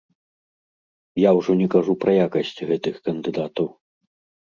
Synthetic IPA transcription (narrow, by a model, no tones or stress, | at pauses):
jawʐɔnʲɛkaʐupɾʔɐjakɐsʲt͡sʲɣɛt̪ɨxkɐnd̪ɨd̪at̪ɐw